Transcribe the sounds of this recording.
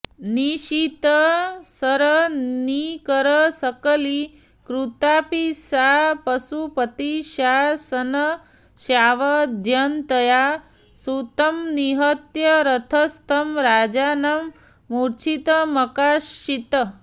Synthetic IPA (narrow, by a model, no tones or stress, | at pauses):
niʃit̪əsɐɾɐnikəɾəsɐkəli | kɾut̪aːpisaːpɐsupət̪iʃaːsɐnɐ | ʃjaːʋɐd̪ʱjɐnt̪ɐja | sut̪ɐmniɦɐt̪jɐɾɐt̪ʰɐst̪ʰɐmɾaːd͡ʒaːnɐmː | uɾt͡ʃʰit̪ɐmɐkaːʃit̪ə